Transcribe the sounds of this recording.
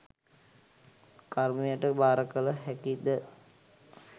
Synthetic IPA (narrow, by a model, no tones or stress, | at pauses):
kaɾmijəʈəbaːɾəkələɦækid̪ə